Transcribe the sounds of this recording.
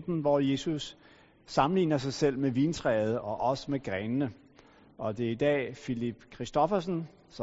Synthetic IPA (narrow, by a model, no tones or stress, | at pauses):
d̥n̩ʋɒje̝ːsusː | ɑ̈mn̩lḭːnɐs̬ɑ̈ɪsel̰meʋint͡sʰʁɛːð̞̩ˠʔɒ̽ʔɒ̽səmeɡ̥ʁɛnənə | ʔɒ̽d̥e̝æɐid̥ɛ̰ːfilib̥kʰʁisd̥ɒfɐsən̩ | s